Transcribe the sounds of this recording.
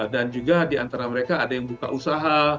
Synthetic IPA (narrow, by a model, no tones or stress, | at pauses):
dand͡ʒuɡadiant̪aɾaməɾekaːdajaŋbuka̰ʔusaɦa